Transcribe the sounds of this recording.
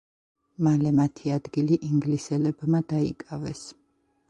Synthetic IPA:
malɛmat̪ʰiad̪ɡiliʔiŋɡlisɛlɛbmad̪aḭkʼavɛs

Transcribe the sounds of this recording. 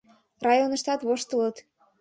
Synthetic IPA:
rɑjonə̆ʃt̪ɑt̪βoʃt̪ələt̪

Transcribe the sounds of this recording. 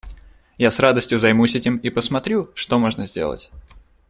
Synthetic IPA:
jasrad̪əsʲtʲjʊzɐjmusʲɛtʲɪmipəsmɐt̪ɾʲuʂt̪omo̞ʐnəzʲdʲe̞̰lˠə̰tʲ

